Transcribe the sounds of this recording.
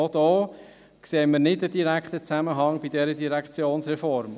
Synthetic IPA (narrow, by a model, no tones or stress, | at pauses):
ɔd̥̪ɔː | kseːməɾnɪdəd̥iɾækχt̪ət͡sæməɦɑŋb̥id̥ɛɾədiɾækt͡sjoːnsɾɛfɔɾm